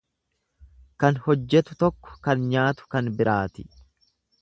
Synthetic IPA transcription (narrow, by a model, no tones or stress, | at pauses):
kɐnhɔd͡ʒːɛt̪ʊt̪ɔkːɔ̥kɐnɲaːt̪ʊ̥kɐnbɪɾʔaːt̪ɪ̥